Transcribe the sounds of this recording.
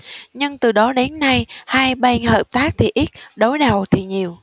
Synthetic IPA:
ɲɨ˧ŋt̪ɨ˨˩ɗɔ˨˦ɗe˨˦nːa˧jhaː˧jɓa˧nhəː˨˩p̚t̪aː˦˥k̚t̪ʰi˨˩ʔi˦˥t̚ɗo˨˦jɗə˨˩wt̪ʰi˨˩ɲi˨˩əw

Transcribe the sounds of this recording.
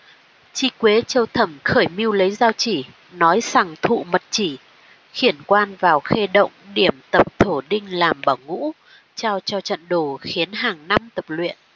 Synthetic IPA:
t͡ɕi˧kwe˨˦t͡ɕə˧wt̪ʰə˧˩mxəː˧˩jmi˧əwlə˨˦jzaː˧wt͡ɕi˧˩ | nɔ˨˦jsa˨˩ŋt̪ʰṵ˧˨mə˨˩t̚t͡ɕi˧˩ | xi˧˩ənkwaː˧nvaː˨˩wxe˧ɗə̰˧˨wŋ͡mɗi˧˩əmt̪ə˨˩p̚t̪ʰo˧˩ɗï˧ŋ̟laː˨˩mɓaː˧˩wŋṵ˧˥ | t͡ɕaː˧wt͡ɕɔ˧t͡ɕə̰˧˨nɗo˨˩xi˨˦ənɦaː˨˩ŋna˧mt̪ə˨˩p̚lwḭ˧˨ən

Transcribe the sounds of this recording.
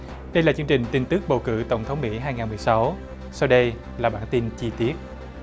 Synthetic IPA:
ɗə˧jlaː˨˩t͡ɕɨ˧əŋt͡ɕï˨˩ŋ̟t̪i˧˩ŋ̟t̪ɨ˦˥k̚ɓə˨˩wkɨ̰˧˥t̪ə˧˩wŋ͡mt̪ʰə˨˦wŋ͡mmḭ˧˥ɦaː˧jŋaː˨˩nmɨ˨˩əjsa˨˦w | sa˧wɗə˧j | laː˨˩ɓaː˧˥˩nt̪i˧nt͡ɕi˧t̪i˦˥ət̚

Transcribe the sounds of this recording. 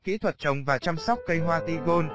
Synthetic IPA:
kḭ˧˥t̪ʰwə˨˩t̚t͡ɕə˨˩wŋ͡mvaː˨˩t͡ɕaː˧msa˦˥wk͡p̚kə˧jɦwaː˧t̪i˧ɣo˧n

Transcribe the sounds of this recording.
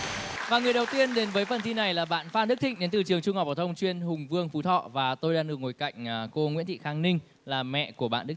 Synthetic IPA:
vaː˨˩ŋɨ˨˩əjɗə˨˩wt̪i˧ənɗe˨˦nvəː˨˦jfə˨˩nt̪ʰi˧na˨˩jlaː˨˩ɓa̰ː˧˨nfaː˧nɗ̚t̪ʰï˧˨ŋɗe˨˦nt̪ɨ˨˩t͡ɕɨ˨˩əŋt͡ɕʊ˧ŋ͡mhɔ˨˩k͡p̚ɓaː˧˩t̪ʰə˧wŋ͡mt͡ɕwi˧ənhʊ˨˩ŋ͡mvɨ˧əŋfu˨˦t̪ʰɔ̰˧˨vaː˨˩t̪o˧jɗaː˧ŋɗɨ˨˩ək̚ŋo˨˩jka̰˧˨jŋ̟ː˨˩ko˧ŋwḭ˧˥nt̪ʰḭ˧˨xaː˧ŋnï˧ŋ̟ | laː˨˩mɛ̰˧˨ku˧˩əɓa̰ː˧˨nɗk

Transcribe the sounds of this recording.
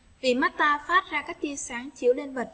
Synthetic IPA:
vḭ˨˩ma˦˥t̚t̪aː˧faː˦˥t̚zaː˧kaː˦˥k̚t͡ɕi˧əsaː˧˩ŋt͡ɕi˧˩˥əwɗe˧nvə˨˩t̚

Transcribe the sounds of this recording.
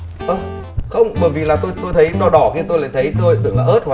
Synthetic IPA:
ʔə˧˩wŋ͡m | xə˧wŋ͡mɓəː˧˩jvḭ˨laː˨˩t̪o˧jt̪o˧jt̪ʰə˨˦jnɔ˧ɗɔ˧˩ki˧t̪o˧jla̰ː˧˨jt̪ʰjt̪o˧jt̪ʰɨ̰˨˧˩əŋlaː˨˩ʔəː˦˥t̚hwa˧˦

